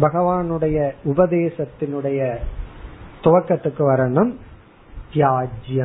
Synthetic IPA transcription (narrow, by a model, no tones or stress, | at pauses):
bʱɐɣɐʋaːnɯɽɐjɐʊbɐðeːsɐt̪ːɪnɯɽɐjɐ | t̪ʊʋɐkːɐt̪ːɯkːɯʋɐɾɐɳɐm | t̪jaːd͡ʒjɐ